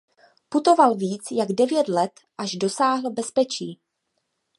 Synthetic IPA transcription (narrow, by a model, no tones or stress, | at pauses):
put̪o̞valviːt͡sjaɡdɛvjɛt̪lɛt̪ | ʔaʒdo̞saːɦl̩bɛspɛt͡ʃiː